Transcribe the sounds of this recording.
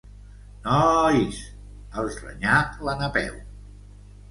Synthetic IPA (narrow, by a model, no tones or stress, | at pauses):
nɔis | əlˠzrə̰ɲaklanəpɛ̰w